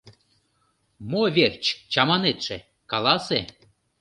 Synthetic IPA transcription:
movʲert͡ɕt͡ɕɑmɑnet̪ʃe | kɑlˠɑse

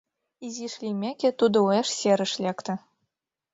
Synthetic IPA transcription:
izʲiʃlʲimʲekʲɘ̆t̪ud̪ɤ̆uɑʂsʲeɾʲɘ̆ʃlʲekt̪ɘ̆

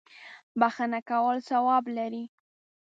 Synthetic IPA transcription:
baxanakawəlsawɑblaɾi

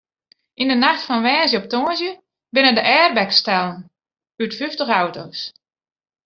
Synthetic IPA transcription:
ʔindənaxtfɔnʋɛːnzjəɔp̚toənzjə | bɪnədəʔɛːrbɛkstɛlˠən | ytfyftəxawtows

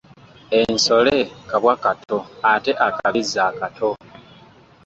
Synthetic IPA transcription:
enso̞le̞kaβwakatʰoate̞ʔakaβizːaːkatʰo̞

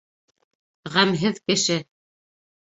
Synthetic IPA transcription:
ʁæmɦɘðkɘ̆ʃɘ

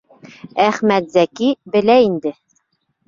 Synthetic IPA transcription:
æχmæt̪zækibɘ̆læind̪ɘ

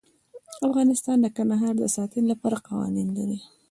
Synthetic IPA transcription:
afɣɑnɪst̪ɑnd̪əkand̪aɦɑɾd̪əsɑt̪inlapɑɾaqɑwɑ̰ninlaɾi

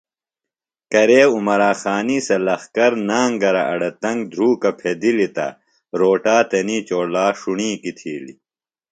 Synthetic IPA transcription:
kɐɾeːumɐɾaːxaːniːsɐlɐxkɐɾnaːŋɡɐɾɐʔɐɽɐt̪ɐŋɡd̪ʱɾuːkɐpʰed̪ilit̪ɐ̰ | ɾoːʈaːt̪ɐniːt͡ɕoːɽlaːʂuɳĩːkit̪ʰiːlḭ

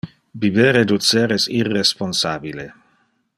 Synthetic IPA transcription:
bibeːɾed̪useːɾesirːesponsaːbile

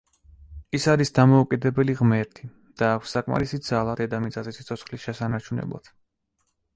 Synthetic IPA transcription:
isaɾisd̪amɔukʼid̪ɛbɛliʁmɛɾt̪ʰi | d̪̥aːkʰʷsːakʼma̰ɾisid̪z̥alˠad̪ɛd̪amit̪sʼazɛsit̪sʰɔt̪sʰχlisʃɛsanaɾt͡ʃʰunɛ̰blˠa̰d̪̥

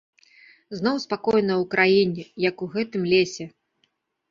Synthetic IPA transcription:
znɔwspakɔjnɐwkɾʔajinʲɛjɐkuɣɛt̪ɨmlʲesʲɛ

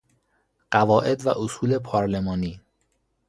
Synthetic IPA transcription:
ɢ̥ævɒːʔe̞d̪væʔosuːle̞pʰɒːɾle̞mɒːniː

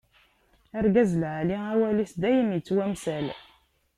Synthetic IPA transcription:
æɾɡæzəlʕaliæwælisd̪æjəmjət͡sːwæmsæl

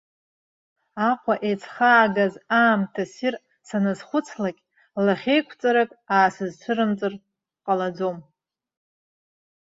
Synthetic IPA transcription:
aqʷʰaʔejt͡sʰχaːɡazaːmtʰasir | sanɨzχʷʊt͡sʰlakʲʼ | laχʲejkʷʰt͡sʼaɾakʼaːsɨzt͡ʃʷʰɨɾɨmt͡sʼɨr | qʼalad͡zom

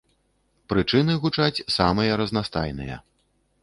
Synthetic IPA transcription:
pɾɨt͡ʂɨnɨɣut͡ʂat͡sʲsamɨjɐɾɐznast̪a̰jnɨ̰jɐ̰

